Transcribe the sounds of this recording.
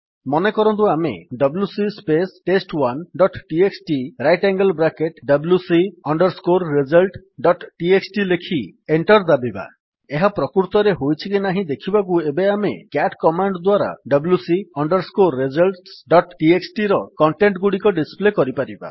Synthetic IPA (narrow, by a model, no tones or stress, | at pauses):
mɔnekɔɾɔnt̪̬uamḛɖɔblusispesʈesʈwanɖɔʈʈieksʈiɾajʈaŋɡəlbɾakeʈɖʌblusiɔɳɖɔɾskoɾːed͡ʒɔlʈɖɔʈʈieksʈilekʰieɳʈɔɾd̪abiba̰ | eɦapɾɔkuɾt̪ɔɾeɦojt͡ʃʰikinaɦĩd̪ekʰibak̬uebeamekaʈkɔmaɳɖd̪waɾa̰ɖɔblusiɔɳɖɔɾskoɾːed͡ʒɔlʈsɖɔʈʈiesʈiɾɔkɔɳʈeɳʈɡuɽikɔɖisplekɔɾipaɾiba̰